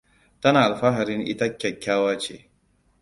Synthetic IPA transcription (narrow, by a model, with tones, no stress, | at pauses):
tɐ˦naː˨ʔa˨lɸa˦ɦa˨ɾɪ˦ŋʔɪ̰˦ta˦kʲːɐ˨kʲːaː˦waː˦t͡ʃḛː˦